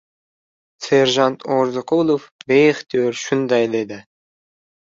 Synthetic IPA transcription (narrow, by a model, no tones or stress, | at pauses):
seɾʒɑnt̪ʰoɾzoqolˠofbejeχt̪ijøɾʃund̪ɑjd̪ed̪ɪ